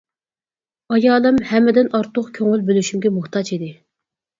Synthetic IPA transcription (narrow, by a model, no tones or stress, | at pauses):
ɑjɑːlˠɨmhɛmːɪd̪ɪnʔɑɾt̪ʰʊqkʲʰøŋylbølyʃymɡʲɛmʊχt̪ʰɑt͡ʃid̪ɪ